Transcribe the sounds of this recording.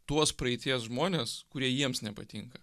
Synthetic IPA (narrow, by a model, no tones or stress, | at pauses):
t̪uɔspɾɐɛɪt̪ʲiɛsʒmoːnʲeːskʊɾʲiɛjiɛmsnʲɛpɐt̪ʲiŋkɐ